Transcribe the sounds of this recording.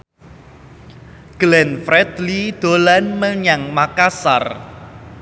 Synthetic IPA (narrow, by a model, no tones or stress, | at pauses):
ɡ̥lɛnfɾɛd̪lid̪̥o̤lanməɲaŋmakasa̰r